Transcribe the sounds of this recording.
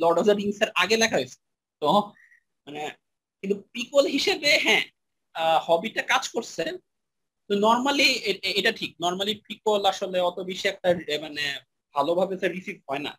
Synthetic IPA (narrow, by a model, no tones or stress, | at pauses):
lɔɖɔfd̪aɾiŋseɾʔaɡelɛkʰaɦojt͡ɕʰe̥ | t̪o | mane | kint̪upɾikolɦiʃebeɦɛ̃ | hɔbiʈakad͡ʑkoɾt͡ɕʰen | t̪onɔɾmalieeʈaʈʰik̚nɔɾmalipɾikolaʃoleɔt̪obiʃiɛk̚ʈamane | bʱalobʱabesʰeɾisifɦɔena̰